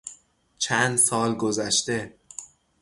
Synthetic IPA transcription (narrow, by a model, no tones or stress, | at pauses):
t͡ʃʰænd̪sɒːlɡozæʃt̪e̞